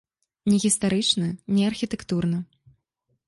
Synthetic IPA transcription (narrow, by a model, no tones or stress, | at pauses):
nʲɛɣʲist̪aɾɨt͡ʂnɐnʲɛɐrxʲit̪ɛkt̪urnɐ